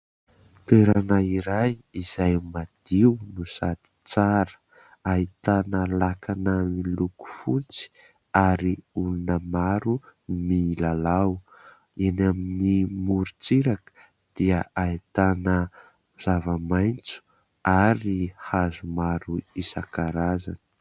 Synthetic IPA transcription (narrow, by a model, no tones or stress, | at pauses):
t̪eɾanaiɾajiz̥ajmad̪̥iwnusad̪i̥t͡saɾə̥ | ait̪anəlakʰanəmiluku̥fut͡si̥ | aɾiulunəmaɾumilalaw | enaminimuɾut͡siɾakə̥ | d̪̥iəait̪anə | zavəmajnt͡su̥ | aɾihazumaɾuisakaɾaza̰ni̥